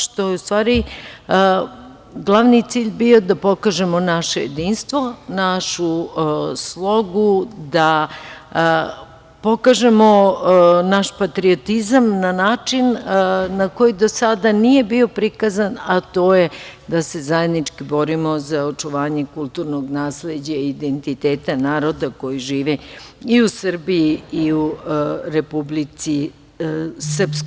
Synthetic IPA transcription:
ʃt̪ojeust̪ʋaːɾi | ɡlˠaʋnit̪siːʎʲbio̞d̪apo̞kaʒe̞mo̞naʃeje̞d̪iːnst̪ʋo̞naʃu | slˠo̞ɡud̪a | po̞kaʒe̞mo̞ | naʃpat̪ɾio̞t̪izamnanaːt͡ʃinnako̞jid̪o̞sad̪anije̞bio̞pɾikazanat̪o̞ːjed̪ase̞zaje̞d̪nit͡ʃkibo̞ɾimo̞zaot͡ʂuʋaːɲe̞kulˠt̪uɾno̞ɡnaːsled͡ʑaiːd̪ent̪it̪eːt̪anaːɾo̞d̪ako̞jiʒiːʋɛiusr̩biiiuɾepublit̪si | srpsk

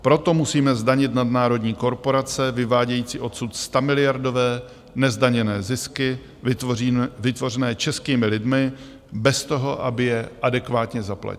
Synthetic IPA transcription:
pɾo̞t̪o̞musiːmɛzdaɲɪt̪nadnaːɾo̞dɲiːko̞ɾpo̞ɾat͡sɛvɪvaːɟɛjiːt͡sḭːʔo̞t̪sut̪st̪amɪlɪjaɾdo̞vɛː | nɛzdaɲɛnɛːzɪskɪ | vɪt̪vo̞rɛnɛːt͡ʃɛskiːmɪlɪdmɪ | bɛst̪o̞ɦo̞ʔabɪjɛʔadɛkvaːt̪ɲɛzapla̰c

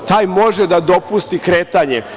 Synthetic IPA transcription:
t̪aːjmo̞ʒed̪ad̪o̞pust̪ikɾeːt̪aɲe

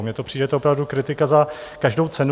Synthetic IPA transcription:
mɲɛt̪opr̥iːdɛt̪ɛopɾavdukɾɪt̪ɪkazakaʒdo̞wt͡sɛn

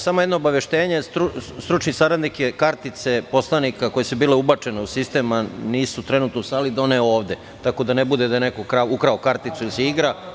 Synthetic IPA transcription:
samojed̪noːbaʋeʃt̪eːɲest̪ɾust̪ɾut͡ʃnisaɾad̪nikjekaɾt̪it̪se̞po̞slˠanikako̞jesubiːleubat͡ʃeneusist̪e̞maniːsut̪ɾenut̪nosaːlid̪oneoːʋd̪e | t̪ako̞d̪anebud̪ed̪ajenekokɾaukɾaokaɾt̪it̪suilisɛiɡɾa

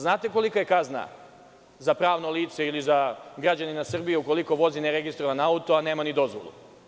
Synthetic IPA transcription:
znaːt̪e̞ko̞likaje̞kazna̰ | zapɾaːʋno̞lˠiːt̪se̞ilizaɡɾad͡ʑaninasr̩bijeuko̞liko̞ʋo̞zineɾe̞ɡist̪ɾo̞ʋanaut̪o̞ane̞ːmanid̪o̞zʋo̰lˠṵ

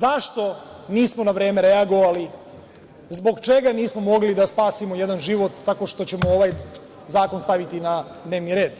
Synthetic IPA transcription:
zaʃt̪o̞ | niːsmo̞naʋɾeːmeɾeaɡo̞ʋali | zbo̞ɡt͡ʃe̞ɡaniːsmo̞mo̞ɡlid̪aspaːsimo̞jed̪anʒiʋo̞t̪ːako̞ʂt̪o̞t͡ɕe̞mooʋaj | zaːko̞nst̪aʋit̪ina | d̪neːʋniɾe̞ːd̪

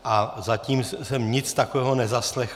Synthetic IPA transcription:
ʔazaciːmsɛmɲɪt͡st̪akovɛːɦonɛzaslɛx

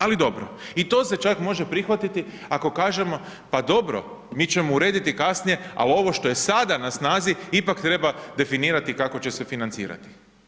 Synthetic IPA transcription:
alid̪o̞bɾo̰it̪o̞se̞t͡ʃakmo̞ʒe̞pɾixʋat̪it̪i | ako̞kaːʒe̞mo̞ | pad̪o̞bɾo̞̰ | miːt͡ʃe̞mouɾe̞ːd̪it̪ikasnije̞a̰lio̞ʋo̞ʃt̪o̞je̞sad̪anasnaːziipakt̪ɾe̞bad̪e̞finiːɾat̪ikako̞t͡ɕe̞se̞finant̪sḭːɾa̰t̪i̥

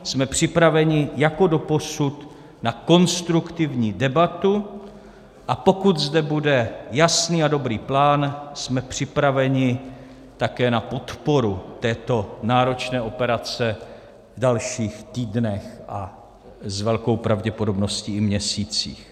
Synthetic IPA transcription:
smɛpr̝̥ɪpɾavɛɲɪjako̞do̞po̞sut̪ | nako̞nst̪ɾukt̪ɪvɲiːdɛbat̪u | ʔapo̞kut̪zdɛbudɛjasniːado̞bɾiːplaːnsmɛpr̝̥ɪpɾavɛɲɪ | t̪akɛːnapo̞t̪po̞ɾut̪ɛːt̪o̞naːɾo̞t͡ʃnɛːʔo̞pɛɾat͡sɛ | vdalʃiːxt̪iːdnɛxʔa | zvɛlko̞wpɾavɟɛpodo̞bno̞sciːɪmɲɛsiːt͡sḭːx

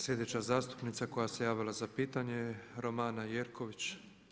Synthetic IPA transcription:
sʎʲe̞d̪et͡ɕazaːst̪u̥pnit̪sako̞jase̞jaːʋilˠazapiːt̪aɲe̞ɾo̞maːnajeːɾko̞ʋit͡ɕ

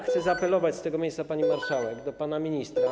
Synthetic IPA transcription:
xt̪sɛzaːpɛlɔvat͡ɕst̪ɛɡɔmʲejssapaɲimaɾʂawɛɡd̪ɔpanamʲiɲist̪ɾa

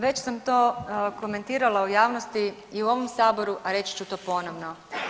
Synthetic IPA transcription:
ʋe̞t͡ɕsamt̪o̞ːko̞me̞nt̪iːɾalaujaːʋnost̪iiuo̞ʋomsaːbo̞ɾuʔaɾe̞t͡ɕi̥t͡ɕut̪o̞ːpo̞noʋno

